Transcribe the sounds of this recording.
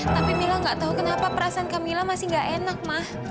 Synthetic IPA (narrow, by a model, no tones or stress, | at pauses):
t̪apimilaŋɡaʔt̪aɦukənapapəɾasaankamilamasɪhŋɡaʔenak̚mah